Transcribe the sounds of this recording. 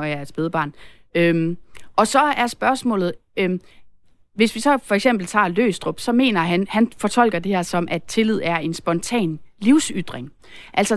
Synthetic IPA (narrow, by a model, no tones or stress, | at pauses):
ɒæɐsb̥eðˠb̥ɑ̈ːn | ømʔɒ̽sɒ̽æɐsb̥ɶɐsmɔ̰ːlð̩ˠø | ʋe̝sʋisɒ̽fɒ̽eɡ̥sem̰b̥l̩t͡sʰɑ̰̈ːlø̰ːsd̥ʁɔb̥sɒ̽me̝̰ːnɐɦænhænfɒ̽t͡sʰɒ̽l̰ɡ̥ɐd̥e̝hɛɐsɒ̽mʔæd̥̚t͡sʰe̝lið̞̰ˠæɐe̝nsb̥ɒ̽nt͡sʰɛ̰ːnliʊsyd̥ʁeŋ | ʔæl̰sɒ